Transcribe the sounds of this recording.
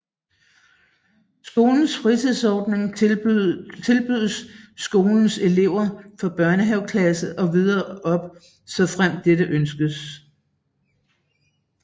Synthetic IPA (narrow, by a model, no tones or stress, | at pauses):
sɡ̥o̝ːln̩sfʁit͡sʰið̰ˠsɒːd̥ne̝ŋ | t͡sʰe̝lb̥yðˠəsːɡ̥o̝ːln̩se̝le̝ʊ̰ɐfɒ̽b̥ɶɐnəɦɛʊkʰlæsəʔɒ̽ʋið̞ˠɐːɒ̽b̥ | sɒ̽fʁam̰d̥ːeɾəʔønsɡ̥əs